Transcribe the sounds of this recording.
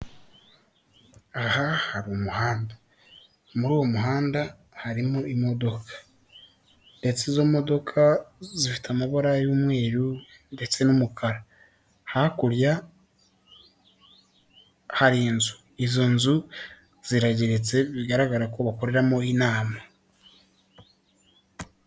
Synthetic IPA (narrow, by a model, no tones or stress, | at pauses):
ahahaɾuwomuhaːnda | muɾuːwo̞muɦaːnda | haɾimoimo̞do̞kʰḁ | de̞t͡sizo̞mo̞do̞kʰazifi̥tamaβoɾajuːmwe̞ːɾu | nde̞t͡se̞numukʰaɾa | hakuɾja | haɾiːnzu | izonzu | z̥iɾaɟeɾet͡se̞βiɡaɾaɡaɾako̞βakoɾe̞ɾamo̞inaːma